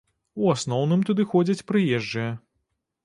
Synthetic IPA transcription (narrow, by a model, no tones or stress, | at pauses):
uasnɔwnɨmt̪ud̪ɨxɔd͡zʲɐt͡sʲpɾɨjɛʐd͡ʐɨjɛ